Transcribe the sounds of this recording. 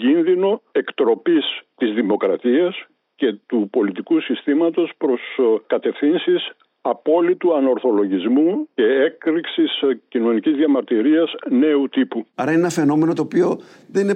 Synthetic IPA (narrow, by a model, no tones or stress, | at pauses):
ɟinðino̞e̞kt̪ɾo̞pist̪izðimo̞kɾɐt̪iɐs | ce̞t̪upo̞lit̪ikusist̪imɐt̪o̞spɾo̞skɐt̪e̞fθinsis | ɐpo̞lit̪uɐno̞ɾθo̞lo̞ʝizmuce̞ekɾiksiscino̞nicizðjɐmɐɾt̪iɾiɐzne̞ut̪ipuɐɾɐinenɐfe̞no̞me̞no̞t̪oːpio̞ | ðenine